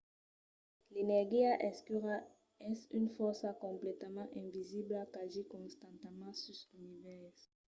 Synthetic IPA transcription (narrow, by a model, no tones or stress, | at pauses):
lenɛʁɡiaʔɛskyʁa | ɛsynfɔʁsakɔ̃mplɛt̪əmɑ̃ʔɛ̃viziblakaʒikɔ̃st̪ɑ̃nt̪əmɑ̃sysynivɛʁs